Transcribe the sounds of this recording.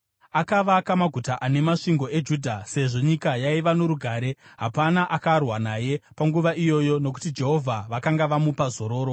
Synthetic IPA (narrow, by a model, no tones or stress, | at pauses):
akaʋakamaɡʱutaʔane̞maʂiŋɡo̞e̞d͡ʒuːdʱase̞ʐo̞ɲikajaiʋanoɾuɡʱaːɾe̞ɦapanaʔakarwanaje̞paŋɡuʋaʔijo̞jo̞no̞k̬u̥tid͡ʒe̞ɦo̞vʱaʋakaŋɡaʋamupazo̞ɾo̞ːɾo̞